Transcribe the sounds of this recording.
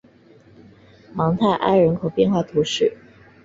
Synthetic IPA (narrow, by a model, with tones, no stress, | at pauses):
mɑ˧˥ŋt̪ʰa˥˩ɪʔa̰˥˩ɪɻə˧˥nkʰo˨˩ʊpjɛ˥˧nxwa˥˩t̪ʰu˧˥ʂɻ̩˥˩